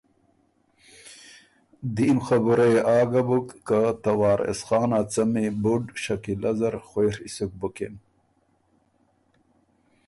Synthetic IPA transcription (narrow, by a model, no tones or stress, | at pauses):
d̪iːmxabuɾeeaːɡabukːat̪ɐwɑːɾḛsχɑːnat͡sɐmibuɖɕɐkilɐzɐɾxweɾisuk̚buken